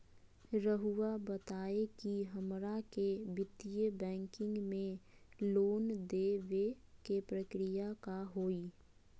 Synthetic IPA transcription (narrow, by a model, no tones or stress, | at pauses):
ɾəɦuwabət̪aːekiɦəmɾakebɪt̪ijəbɛ̃ːŋkɪ̃ŋɡmẽloːnd̪eːʋe | kepɾəkɾɪjakaɦoːiː